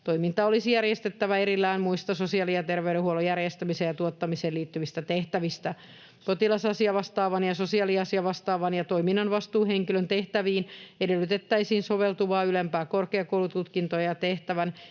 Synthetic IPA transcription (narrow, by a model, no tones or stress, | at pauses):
t̪oimint̪ɑolisijærjest̪et̪ːæʋæeɾilːæːnmuist̪ɑsosiɑlijɑt̪erʋeyɾehuolojærjest̪æmisejɑt̪uot̪ːɑmiseːliːt̪ːyʋist̪æt̪eht̪æʋist̪æ | kot̪ilɑsɑsiɑʋɑst̪ɑːʋɑnjɑsosiɑːliɑsiɑʋɑst̪ɑːʋɑnjɑt̪oiminːɑnʋɑst̪uːheŋkilønt̪eht̪æʋiːnedelːyt̪et̪ːæisiːnsoʋelt̪uʋɑːylempæːkorkeɑkoulut̪ut̪kint̪ojɑt̪eht̪æʋæn